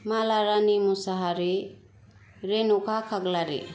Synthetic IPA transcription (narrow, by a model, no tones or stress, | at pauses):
malaɾanimusaɦaɾi | ɾenukʰakʰaɡlaɾḭ